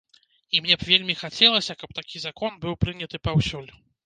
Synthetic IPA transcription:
imnʲɛbvʲelʲmʲixat͡sʲɛlˠɐsʲɐkɐp̚t̪akʲizakɔnbɨwpɾɨnʲɐt̪ɨpawsʲɔlʲu

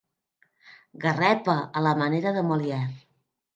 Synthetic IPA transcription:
ɡərɛpəʔələməneɾəðəmoljɛr

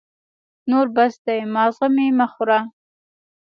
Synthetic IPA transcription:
noɾbasd̪ajmɑːzʁamimaχʊɾa

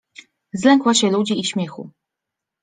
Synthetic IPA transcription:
zlɛŋkwaɕɛlud͡ʑiːɕmʲjɛxṵ

